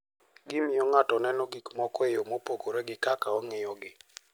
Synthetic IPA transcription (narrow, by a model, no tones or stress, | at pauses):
ɡɪmɪɔŋatɔnɛnɔɡikmɔkɔejomopokoɾeɡɪkakaɔŋɪjɔɡɪ